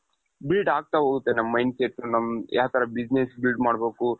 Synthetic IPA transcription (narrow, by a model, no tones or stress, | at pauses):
bilɖaːɡ̚t̪aɦoːɡut̪ːenɐmːɐjnseʈːunɐmːja̰ːwt̪ʰɐɾɐbid͡ʒnesbilɖmaːɽbeːku